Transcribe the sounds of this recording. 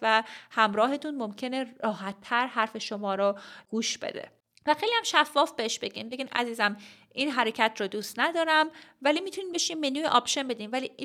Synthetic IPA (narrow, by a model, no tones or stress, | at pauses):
væhæmɾɒːɦe̞t̪ʰunmomcʰe̞neɒːɦæt̪ʰːæɾhæɾfe̞ʃomɒːɾɔɡ̥uːʃb̥ḛd̪ḛ | væxejlihæmʃæfːɒːfbeeʃbe̞ɟḭmbeɟiːmæ̰ziːzæm | ʔinɦæɾe̞cʰæt̪ʰɾɔːd̪uːst̪næd̪ɒːɾæmvælimit̪ʰuniːnbe̞ʃimbenuːeʔɒpʃe̞nbe̞d̪iːnvæli